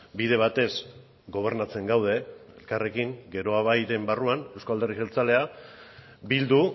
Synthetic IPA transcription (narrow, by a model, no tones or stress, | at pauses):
biðe̞β̞at̪e̞z | ɡo̞β̞e̞ɾnat͡se̞ŋɡawðe̞ḛlkare̞kiŋɡe̞ɾo̞aβajɾe̞mbaruane̞wskald̪eriɣelt͡sale̞a | bild̪u